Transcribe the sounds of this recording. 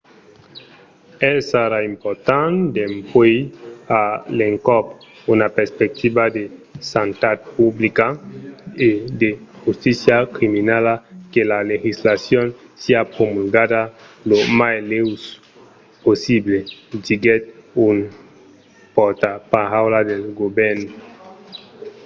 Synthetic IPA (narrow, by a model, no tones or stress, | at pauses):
esaɾaimpoɾt̪and̪empwejaleŋkɔp | unapeɾspek̚t̪ibad̪esant̪at̪̚publika | ed̪exust̪isjakɾiminalakelalexislasjonsiapɾomulɡad̪a | lomajlews | posibled͡ʒiɡet̪̚un | pɔɾt̪apaawlad̪elɡobɛɾno